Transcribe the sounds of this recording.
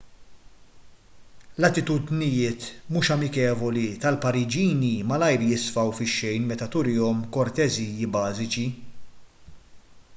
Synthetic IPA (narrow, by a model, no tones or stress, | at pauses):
lɐt̪ɪt̪ud̪nɪjɪːt̪muːʃɐmɪkɛːvɔlit̪ɐlpɐɾɪd͡ʒiːnimɐlɐjɾjɪsfɐwfɪʃːɛjnmɛt̪ɐt̪ʊɾɪːɔmkɔɾt̪ɛzijːibɐːzɪt͡ʃi